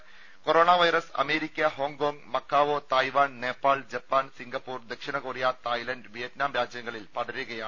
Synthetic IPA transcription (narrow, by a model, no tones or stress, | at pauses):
koɾoːɳaːʋɐjɾɐsɐ̰meːɾikʲːɐɦoːŋkoːŋɡmɐkːaːʋoːt̪ɐjʋaːnneːpːaːɭd͡ʑɐpːaːnsiŋɡɐpːuːrd̪ɐkʂiɳɐɣoːrijaːt̪aːjlɐndʋijɐtnaːmɾaːd͡ʑjɐŋːɐɭilpɐðɐɾuɣɐjaː